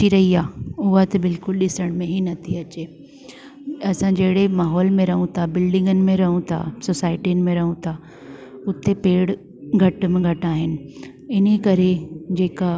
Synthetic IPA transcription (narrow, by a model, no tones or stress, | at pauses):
iɾɐɦiaːʊɦat̪ɐbɪlkʊlɗɪsəɽ̃mẽɦinɐt̪ʰiɐt͡ɕeː | ɐsãd͡ʑɐɦɪɽemaːɦɔːlmẽɾɐɦũt̪ʰabɪlɖɪ̃ŋɡənɪ̆mẽɾɐɦũt̪ʰa̰soːsaːɪʈiənɪ̆mẽɾɐɦũt̪ʰa | ʊt̪epeːɽ | ɡʱɐʈ̆mẽɡʱɐʈaːɦɪnɪ̆ | ɪnekɐɾed͡ʑeːka